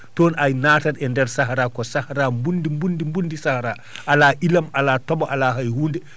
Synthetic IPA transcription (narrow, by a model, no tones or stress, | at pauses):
tɔːnajnaːtɐtɛndɛɾsahɾakɔsahɾambundimbundimbundisahɾa | ʔalaːʔilɐmalatɔɓɔʔalaɦajhuːndɛ